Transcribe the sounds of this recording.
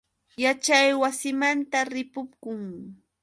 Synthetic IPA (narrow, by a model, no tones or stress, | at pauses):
jat͡ʃajwasɪmant̪aɾɪpʊpkʊŋ